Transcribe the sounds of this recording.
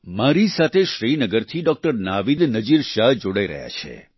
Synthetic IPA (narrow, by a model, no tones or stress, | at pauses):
maɾisat̪ʰeʃɾinəɡəɾt̪ʰiɖɔk̚ʈəɾnaʋid̪nəd͡ʒiɾʃaɦd͡ʒoɽaiɾə̰ɦja̰t͡ʃʰḛ